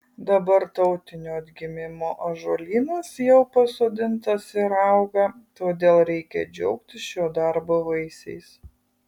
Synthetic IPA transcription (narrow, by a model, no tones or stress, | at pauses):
d̪ɐbɐɾt̪ɐʊt̪ʲɪnʲoːɐd̪ʲɡʲɪmʲɪmoːʔɐʒolʲiːnɐsjɛʊpɐsoːd̪ʲɪnt̪ɐsɪɾɑˑʊɡɐt̪oːd̪ʲeːlˠɾʲɛɪkʲɛ̰d͡ʒʲɛʊk̚t̪ʲɪʃʲoːd̪ɑɾboːʋɐɪsʲɛ̰ɪs